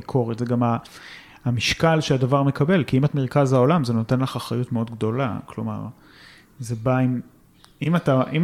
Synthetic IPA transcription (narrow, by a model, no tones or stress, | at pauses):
ikʰo̞ʁetzeɡamaː | miʃkalʃeadavaʁme̞kʰabe̞lkiimatmeʁkazaolamzeno̞te̞nlaχaχʁajutmeo̞dɡdo̞la̰klo̞̰ma̰ʁ | zebaim | imataʔim